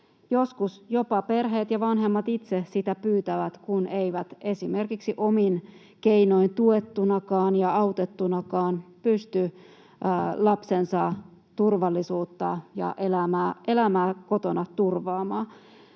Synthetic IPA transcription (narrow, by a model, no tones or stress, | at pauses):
joskusjo̞pɑpe̞rɦeːt̪jɑʋɑnɦemːɑt̪it̪sesit̪æpyːt̪æʋæt̪kuneiʋæt̪e̞sime̞rkiksiʔomin | keino̞int̪uet̪ːunɑkɑːnjɑɑut̪et̪ːunɑkɑːnpyst̪y | lɑpsensɑ | t̪urʋɑlːisuːt̪ːɑ̰jɑ̰ʔelæmæːelæmæːko̞t̪onɑt̪urʋɑːmɑː